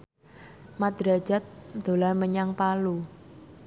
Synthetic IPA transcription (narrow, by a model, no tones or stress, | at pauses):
mad̪̥ɾḁd͡ʒ̥a̤t̪̚d̪̥o̤laməɲaŋpalu